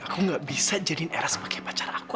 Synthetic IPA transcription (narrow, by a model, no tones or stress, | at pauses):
akuŋɡaʔbisad͡ʒadinʔɛ̰ɾasə̥pakajpat͡ʃaɾaku